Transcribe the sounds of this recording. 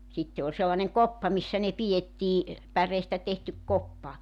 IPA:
sitːe ol selːɑneŋ kopːɑ misːæ ne pietːiː pæreːstæ tehtyk kopːɑ

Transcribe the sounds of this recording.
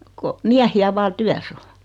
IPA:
ko miæhiæ ʋɑː tyæs o

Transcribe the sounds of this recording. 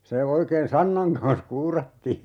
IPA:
se oikeːn sɑnːɑŋ kɑns kuːrɑtːiː

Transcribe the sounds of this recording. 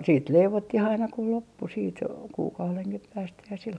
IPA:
siːt leiʋotːih ɑinɑ ku lopːu siːt kuːkɑuleŋkih pæːstæ jɑ sil

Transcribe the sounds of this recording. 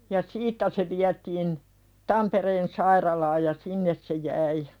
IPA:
jɑ siːtːæ se ʋiætiːn tɑmpereːn sɑirɑlɑːj jɑ sinːes se jæi

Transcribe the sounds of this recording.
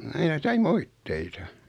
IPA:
ɑinɑ sɑi moitːeitɑ

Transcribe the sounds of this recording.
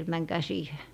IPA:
et mæŋkæː siːhe

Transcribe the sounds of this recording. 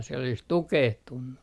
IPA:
siel olis tukehtunːu

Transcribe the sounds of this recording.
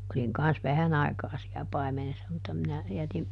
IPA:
oliŋ kɑns ʋæhæn ɑi̯kɑː siæ pɑimenesːɑ mutːɑ minæ jætim

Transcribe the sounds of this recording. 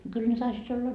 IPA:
no kyl ne tɑisiːt olːɑ

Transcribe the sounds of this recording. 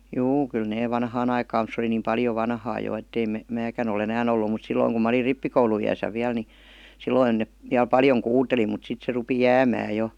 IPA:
juː kylːæ neː ʋɑnhɑːn ɑikɑːm mut se oli niːm pɑljo ʋɑnhɑː jo etːei me mæːkæn ol enæːn olːu mut silːoiŋ kum mɑ olir ripːikouluij̆æsæ ʋiæl ni silːoin ne ʋiæl pɑljoŋ kuːteli mut sit se rupi jæːmæː jo

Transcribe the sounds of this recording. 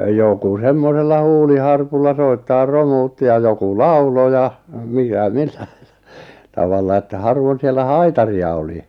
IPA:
joku semːoselːɑ huːlihɑrpulːɑ soitːɑːr romuːtːi jɑ joku lɑulo jɑ mikæ mi̥l̥ːæ̥i̥ tɑʋɑlːɑ etːæ hɑrʋon sielːæ hɑitɑriɑ oli

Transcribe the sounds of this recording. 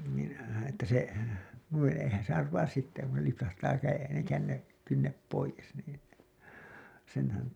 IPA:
niːn̞ etːæ se nuin̞ eihæn se ɑrʋɑːs sitːe kun se lipsɑhtɑː kæje kænːe kynːep poijes niːn̞ senhæn

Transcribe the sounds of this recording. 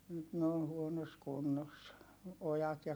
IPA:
nyt ne on̞ huonos kunːos ojɑt jɑ

